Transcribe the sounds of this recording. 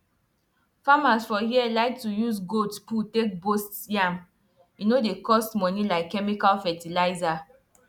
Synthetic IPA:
famasfɔhiɛlaɪk̚tujusɡodsputek̚bostjãm | inodekɔstmɔ̃nilaɪkːɛmikalfɛtilaɪza

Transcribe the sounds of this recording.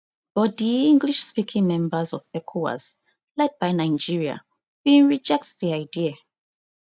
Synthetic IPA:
b̥ɔdiĩŋɡliʃspikʰĩŋmɛ̃mbəzɔvɛkʰuwa̰z | lɛt̚b̥ajnaɪ̃nd͡ʒiɹia̰ | wĩnɹid͡ʒɛk̚tsðiaɪdia

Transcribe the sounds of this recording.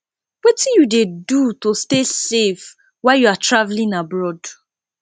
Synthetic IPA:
wetĩnjudedutostesef | waɪjuatɹavlĩnabɹɔd

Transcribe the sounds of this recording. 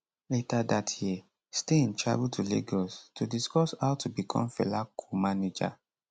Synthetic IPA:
letadatʰji | steĩntɹa̰butʰulḛɡɔstʰudiskɔshaʊtʰubikʰɔ̰̃mfɛ̰lakʰumaned͡ʒa̰

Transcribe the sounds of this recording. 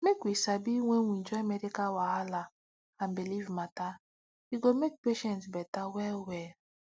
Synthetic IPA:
mekwisabiwẽwĩnd͡ʒɔamɛɾikawaɦala | ãnbilivmata | iɡomek̚peʃɛ̃ntbɛtawɛlwɛl

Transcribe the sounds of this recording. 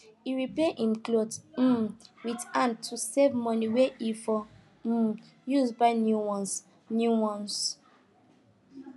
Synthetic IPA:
iɹipeʔĩmklodm̩widãntʰusevmɔ̃niweifɔ | juzbaɪnjuwɔ̃ns | njuwɔ̃ns

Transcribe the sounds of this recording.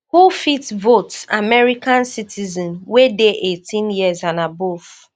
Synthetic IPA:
hufitvotsamɛɹikãnsitʰizɔ̃nwedeʔetĩnjiəzãnabof

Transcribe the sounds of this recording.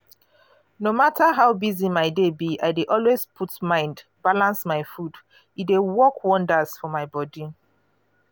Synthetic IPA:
nomataɦaʊbizimaɪdebia̰ɪdeʔɔlwezpʰutmãɪ̃ndbalãnsmaɪfud | idewɔkwɔ̃ndaz̥fɔmaɪbɔdi

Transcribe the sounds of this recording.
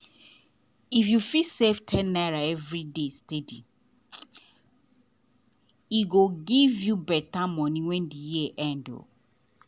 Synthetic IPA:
ifjufiseftʰɛ̃nːaɹaɛvɾidestedi | iɡoɡivjubɛtamɔ̃nĩwɛ̃ndijieʔɛ̃ndo̰

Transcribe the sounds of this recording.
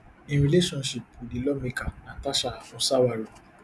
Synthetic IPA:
ĩɾileʃɔ̃nʃipudilɔmĩkanãtaʃaafũsawaɾo

